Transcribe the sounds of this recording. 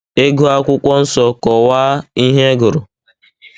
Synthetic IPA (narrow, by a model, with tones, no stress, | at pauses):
e˦ɡu˦a˦kʷʊ˦kʷɔ˦n̩˦sɔ˦kɔ˨waː˦i˦ɦe˦ɡʊ˨ɾʊ˨